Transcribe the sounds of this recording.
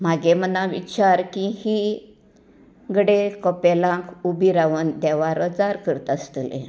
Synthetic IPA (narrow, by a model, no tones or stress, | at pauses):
maɡemənãʋḭt͡ɕaɾkihi | ɡəɽekɔpelãkubʱiɾaʋənd̪ɛʋaɾəd͡zaɾkəɾt̪ast̪əlḛ̃